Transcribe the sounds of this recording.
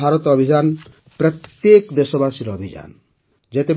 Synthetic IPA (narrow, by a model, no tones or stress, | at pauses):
aɾɔt̪ɔbʱid͡ʒan | pɾɔt̪jekd̪esɔbasiɾɔbʱid͡ʒa̰n | d͡ʒet̪e